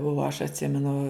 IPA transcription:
oː ɐʃ ɐtʲˈsʲɪmʲɛnʊ

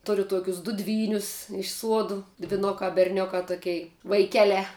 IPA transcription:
ˈtʊrʲʊ ˈtuɔkʲʊs dʊ ˈdʲʋʲiːnʲʊs ɪʃ ˈsuɔdʊ dʲʋʲɪˈnʊkɑː bʲɛrʲˈnʲʊkɑː ˈtoːkʲɛɪ ʋɐɪˈkʲæːlʲɛː

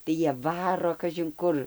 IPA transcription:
tɐɪ ˈjiɛ ˈʋɑːroː kɐʒʲɪŋˈkʊr

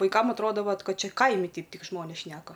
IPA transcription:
ʋɐɪˈkɐm ɐtˈroːdɐ ˈʋɐt ˈkɐt ˈt͡ʃʲɛ ˈkɐɪmʲɪ ˈtʲɛɪp ˈtʲɪk ˈʒmoːnʲeːs ˈʃʲnʲæːkɐ

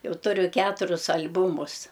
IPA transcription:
ˈjɛʊ ˈtʊrʲʊ ˈkʲæːtʊrʲʊs ɐlʲˈbuːmʊs

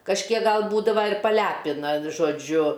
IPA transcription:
kɐʃʲˈkʲiɛk ˈɡɐlˠ ˈbuːdɐʋɐ ɪr pɐˈlʲæpʲɪnɐ ʒoːˈd͡ʒʲʊ

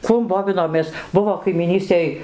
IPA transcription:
ˈkuɔm ˈboːʋʲɪnoːmʲeːs ˈbʊʋoː kɐɪmʲiːˈnʲiːsʲtʲeːj

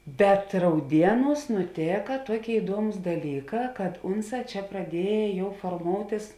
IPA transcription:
bʲɛt rɐʊˈdʲiɛˌnuːs nʊˈtʲeːkɐ ˈtuɔˌkʲeːɪ ɪˈduɔmʊs dɐˈlʲiːˌkɑː kɐt ˈʊnˌsɑː ˈt͡ʃʲɛ prɐˈdʲiɛjɛ ˈjɛʊ foːrˈmoːʊtʲɪs

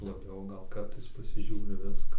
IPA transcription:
lˠɐˈbʲɛʊ ˈɡɐlˠ ˈkɐrtɐɪs pɐsʲɪˈʒʲuːrʲɪ ˈʋʲɪskɐ

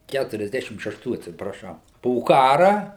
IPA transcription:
ˌkʲætʊrʲɛzʲˈdʲæːʃʲɪm ʃʲɛʃˈtuː ɐtʲsʲɪprɐˈʃɐʊ poː ˈkɑːrɐ

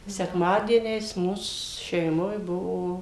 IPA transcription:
sʲɛkˈmɑːdʲiɛnʲɛɪs ˈmuːs ʃʲɛɪˈmoːj ˈbʊʋoː

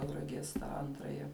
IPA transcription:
tɐʊrɐˈɡʲiɛs tɑː ˈɐntrɐjɛ

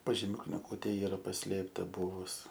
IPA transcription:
pɐʒʲɪˈmʲʊ knʲɪˈɡuːtʲeː ˈiːrɐ pɐˈsʲlʲeːptɐ ˈbuːʋʊs

